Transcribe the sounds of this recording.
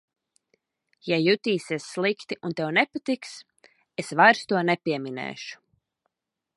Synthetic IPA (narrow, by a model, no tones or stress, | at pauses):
jajut̪iːsiɛsːlˠikt̪iʔunt̪ɛwnɛpat̪iks | esvajɾst̪uɔnɛpʲiɛminɛ̰ːʃu̥